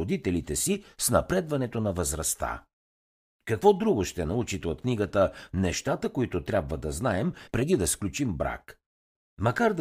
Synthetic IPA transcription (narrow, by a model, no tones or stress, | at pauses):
od̪it̪ɛlit̪ɛsisnɐ̰pɾɛd̪vɐnɛt̪onɐvəzɾɐst̪a̰ | kɐkvɔd̪ɾuɡoʃt̪ɛnɐut͡ʃit̪ɛot̪̚kniɡət̪ənɛʃt̪at̪əkoit̪ot̪ɾʲabvəd̪ɐznaɛmpɾɛd̪id̪ɐsklʲut͡ʃimbɾa̰k | mɐkaɾd̪